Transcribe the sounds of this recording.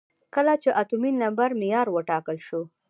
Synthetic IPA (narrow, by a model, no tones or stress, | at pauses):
kəlat͡ʃeʔat̪uminambaɾmɪjɑɾwəʈɑkəlʃo